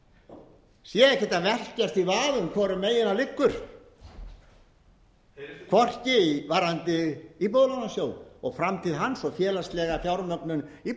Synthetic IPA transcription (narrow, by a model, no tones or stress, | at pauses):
sjɛɛhɪt̪avɛr̥cast̪ivaːðʏmkʰvɔːɾʏmːeːjɪnalɪkːʏɾ̥ | kʰvɔr̥cɪivaɾant̪ɪip̬oðlɔnasjoːwɔɣfɾamt̪ʰɪðɦanːsɔfjɛːlast̪lɛɣafjawɾnœknʏni